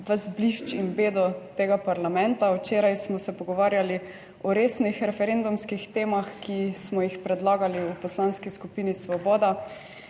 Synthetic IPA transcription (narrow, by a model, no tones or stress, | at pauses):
ʋəzbliʃt͡ʃinbeːd̪ɔt̪eːɡapaɾlamɛ̃nt̪awt͡ʃeːɾajsmɔsɛpɔɡɔʋaːɾjali | ɔɾeːsnixɾɛfɛɾend̪umskixt̪eːmaxkismɔjixpɾɛd̪laːɡaliupɔslanskiskupiːnisʋɔbɔːd̪a